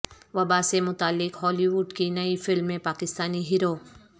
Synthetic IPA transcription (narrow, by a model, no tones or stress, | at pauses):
ʋɐbasemʊt̪aːlːɪkɦɔːliʋuːɖkinɐifɪlmːẽpaːkɪst̪aːniɦiːɾoː